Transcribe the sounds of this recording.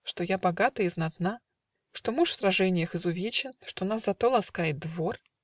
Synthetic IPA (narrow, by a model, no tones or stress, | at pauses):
ʂt̪o̞jabɐɡat̪əɪznɐt̪na | ʂt̪o̞muʂfsrɐʐɛnʲɪjəxɨzʊvʲet͡ɕɪnʂt̪o̞naszɐt̪o̞lˠɐskajɪt̪̚d̪vo̞r